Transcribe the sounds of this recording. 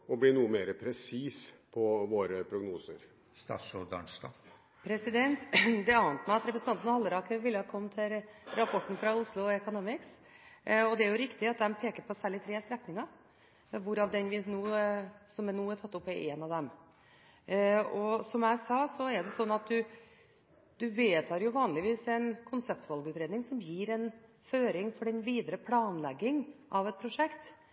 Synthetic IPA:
ɔblɪnuːəmeːɾəpʰɾɛsiːspʰɔʋoːɾəpʰɾʊɡnuːsə̰ɾ | st̪ɑ̰ːʂod̪ɑ̰ɳsd̪ɑ̰ | pʰɾɛsɪd̪ɛnt̪d̪ɛɑːnət̪mæɪɑt̪ɾɛpɾsn̩ʰɑnt̪ənhɑlːəɾɑːkəʋɪlːəhɑkʰɔmːt̪ʰɪlɾɑpʰɔʈːn̩fɾɑʊslʊɛkʊnoːmɪks | ɔd̪ɛæɾjʊɾɪkt̪ɪɑt̪̚d̪ɛmpʰeːkəɾpʰɔsæːɭɪt̪ʰɾeːst̪ɾɛknɪŋɑ | ʋʊɾɑʋd̪ɛnʋɪnuːsɔmnuːɛʈʰɑt̪ːʊpːæɾʔɛːnɑʋd̪ɛm | ɔsɔmæɪsɑːsɔɛɾɖɛsɔnːɑt̪̚d̪ʉ | d̪ʉʋeːt̪ʰɑːɾjʊʋɑːnlɪʋiːsɛnkʰʊnsɛpt̪ʋɑlɡəʉːt̪ɾeːd̪nɪŋsɔmjiːɾɛn | føːɾɪŋfɔɖɛnʋiːd̪əɾəpʰlɑːnlɛɡːɪŋʔɑʋɛt̪̚pʰɾʊʂɛkt̪

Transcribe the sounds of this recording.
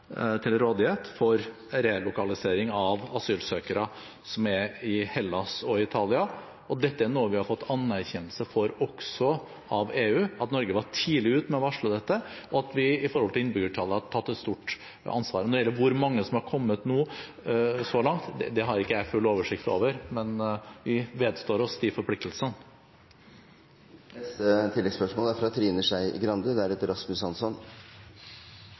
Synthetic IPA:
t̪ʰɪlɾoːd̪ɪheːt̪fɔɾ | ɾelʊkɑlɪseːɾɪŋɑʋɑsyːlsøːkəɾə | sɔmæɾɪhɛlːɑsɔɪɪt̪ʰɑːlɪɑ | ɔd̪ɛt̪ːəæɳuːəʋɪhɑɾfɔt̪ːɑnːæɾçɛnlsəfɔɾɔksɔ | ɑʋeːʉːɑt̪nɔɾɡəʋɑʈʰiːlɪʉːt̪mɛɔʋɑʂɭʊd̪ɛt̪ːəʔɔɑt̪ʋɪɪfɔɾhɔlt̪ɪɪnbʏɡəʈʰɑːləhɑt̪ʰɑt̪ːɛt̪st̪uʈ | ɑ̰nsʋɑ̰ːɾənɔɾɛjɛlːəɾʋʊɾmɑŋːəsɔmhɑɾkʰɔmːət̪nuː | sɔlɑŋt̪d̪ɛd̪ɛɦɑɾɪkːəæɪfʉlːoːʋəʂɪkt̪o̰ːʋəɾmɛnʋɪʋeːd̪st̪oːɾɔst̪ɪfɔɾpʰlɪk̚t̪əlsən | nɛst̪ət̪ʰɪlːɛɡ̪spœʂmoːlæɾfɾɑt̪ʰɾiːnəʂæɪɡɾɑnd̪əd̪ɛæɾɛt̪əɾɑsmʉsɑnsɔn

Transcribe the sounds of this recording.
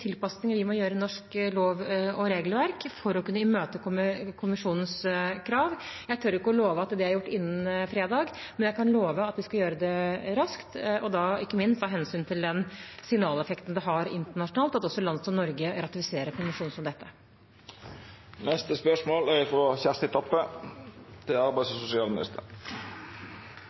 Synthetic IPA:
t̪ʰɪlpɑsnɪŋəʋɪmɔjøːɾənɔʂkloːʋɔɾeːɡlʋæɾkfɔɾɔkʉnːəɪmøːt̪əkʊmɪkʰʊmɪʂuːnən̩skʰɾɑːʋjæɪt̪ʰʉɾɪkːəɔloːʋəɑt̪d̪ɛæɾjʊʈːɪnːənfɾeːd̪ɑːɡmɛnjæɪkʰɑnloːʋəɑt̪ʋɪskɑjøːɾəd̪ɛɾɑskt̪ʔɔd̪ɑɪkːəmɪnst̪ʰɑːɦɛnsyːnt̪ʰɪld̪ɛnsɪŋnɑːlɛfɛkt̪n̩d̪ɛɦɑɾɪ̰nt̪əɳɑʂʊnɑːlt̪ɑt̪ɔsːɔlɑnd̪əsɔmnɔɾɡəɾɑt̪ɪfɪseːɾəɾkʰʊmɪʂuːnsɔmd̪ɛt̪ʰːə | nɛst̪əspœʂmoːlæɾfɾɔçæʁst̪əɪt̪ʰɔpːə | t̪ʰɪɑɾbæɪsɔsʊsɪɑːlmɪnɪ̰st̪ə̰ɾ

